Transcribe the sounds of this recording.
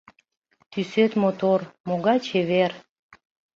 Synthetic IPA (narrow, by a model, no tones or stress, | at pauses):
t̪ysøt̪mot̪ormoɣɑjt͡ɕeβer